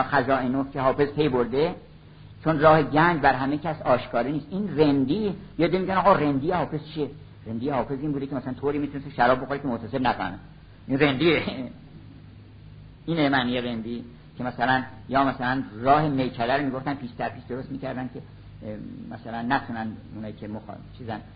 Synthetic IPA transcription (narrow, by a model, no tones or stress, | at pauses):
xæzɒːinofkʰehɒːfe̞zpʰe̞jboɾd̪e | t͡ʃʰonrɒːhe̞ɟæɲd͡ʒbæɾɦæmecʲʰæsɒːʃkʰɒːɾeniːst̪ʔiːnrend̪iːjɒːd̪emiːɟʲænɒːɣɒrend̪ijehɒːfe̞zt͡ʃʰie | rend̪ijehɒːfe̞ziːnbuːd̪ecʰemæsælænt̪ʰoːɾiːmiːt̪unest̪iʃæɾɒːb̚boxoɾekʲʰemot̪ʰæsebnæko̰ɾnæ̰ | ʔinre̞nd̪iːe | iːnemæːnijeɾend̪iː | cʰe̞mæsælænjɒːmæsælænrɒːhe̞mejkʰælæɾomiːɡo̞ft̪ænpʰiːʃd̪æɾpʰiːʃd̪oɾost̪miːcæɾd̪æn̚cʰe̞ | mæsælænːæt̪ʰuːnænunɒːiːkʰemoxt͡ʃʰiːzæn